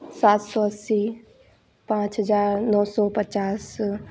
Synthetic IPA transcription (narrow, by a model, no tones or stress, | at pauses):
saːt̪sɔəsi | pãːt͡ʃɦəzaːɾnɔːsɔːpət͡ʃaːs